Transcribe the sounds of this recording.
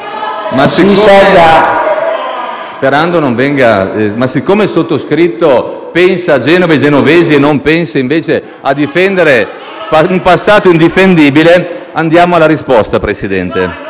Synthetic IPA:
masiɔlːa | speɾand̪onoɱvɛŋɡamasikːoːmesot̪ːoskɾit̪ːopɛnsaad͡ʒɛnoved͡ʒenoveːzienompɛnseiɱveːt͡ʃe | ad̪ifɛnd̪eɾe | aumpasːaːt̪oind̪ifend̪iːbileand̪jaːmoalːaɾispɔst̪apɾesid̪ɛ̰nt̪e

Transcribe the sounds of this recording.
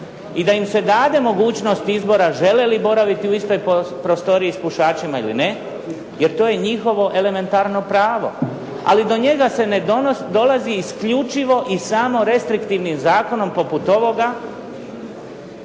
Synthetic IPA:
id̪aimse̞d̪aːd̪e̞mo̞ɡuːt͡ʃno̞st̪izbo̞ɾaʒe̞lelibo̞ɾaʋit̪iuist̪o̞jpɾost̪o̞ɾiispuʃaːt͡ʃimailḭne̞ | je̞ɾt̪o̞ːje̞ɲixo̞ʋo̞ʔe̞le̞me̞nt̪aɾno̞pɾaːʋo̞̰ | a̰lid̪o̞ɲe̞ɡase̞ned̪od̪o̞laziːskʎut͡ʃiʋo̞ʔisamo̞ɾe̞st̪ɾikt̪iʋnimzaːko̞no̞mpo̞put̪o̞ʋo̞ɡa

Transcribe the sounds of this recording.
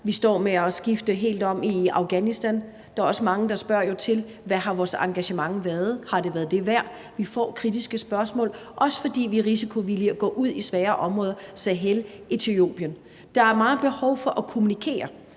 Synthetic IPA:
ʋisd̥ɒ̰ːmeɒsɡ̥ifd̥əɦe̝̰ːld̥ɒ̽m̰iɑ̈ʊɡ̥ænisd̥æn | d̥ɑ̈æɐɒ̽səmɑ̈ŋəd̥ɑ̈sb̥ɶɐ̰jo̝t͡sʰe̝l | ʋæhɑ̈ʋɒːsɑ̈ŋɡ̥æɕəmɑ̈ŋʋæːɐð̞ˠhɑ̈ɾe̝ʋæɐðˠd̥e̝ʋæɐ̰ | ʋifɒ̰ːkʰʁid̥isɡ̥əsb̥ɶɐsmɔ̰ːlʔɒ̽sə̥fɒ̽d̥ḭːʋiʁisikʰo̝ʋiliɒɡ̥ɔ̰ːʔuð̰ˠisʋɛːɐʔɒ̽mʁɔ̽ːðˠɐsæɦelʔit͡sʰyo̝̰ːb̥jən | d̥ɑ̈æɐmɑ̈ːb̥e̝hɒ̽ʊfɒ̽ʔækʰo̝munikʰe̝̰ːɐ

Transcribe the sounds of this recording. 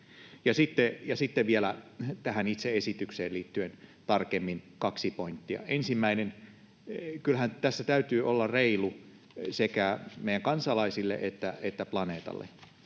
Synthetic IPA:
jɑsit̪ːejɑsit̪ːeʋʋielæt̪æhænit̪seesit̪ykseːliːt̪ːyent̪ɑrkemːinkɑksipoint̪ːiɑ̰ʔensimːæinen | kylhænt̪æsːæt̪æyt̪yːʔolːɑreilu | sekæmeijæŋkɑnsɑlɑisilːḛʔet̪ːæet̪ːæplɑneːt̪ɑ̰lːḛ

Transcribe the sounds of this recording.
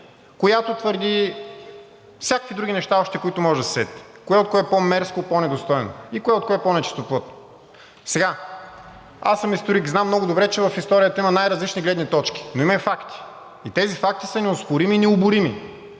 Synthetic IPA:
kojat̪ot̪vəɾd̪i | fsʲakəkvid̪ɾuɡʲinɛʃt̪aɔʃt̪ɛkoit̪ʊmɔʒd̪əssɛ̰t̪i̥ | koɛot̪koɛɛpɔmɛɾskopɔnɛd̪ost̪ɔjno̰ikoɛot̪koɛpɔnɛt͡ʃi̥st̪oplˠɤt̪̚no̥ | sɛɡa | a̰səmist̪oɾikznamːnɔɡʊd̪ʊbɾɛt͡ʃɛvɐfist̪ɔɾijət̪əimɐnajɾɐzlit͡ʃniɡlɛd̪nit̪ɔt͡ʃk̟ʲi̥noimɐɛfakt̪i̥ | it̪ɛzifak̚t̪isɐnɛoskʊɾiminɛʊbʊɾimi

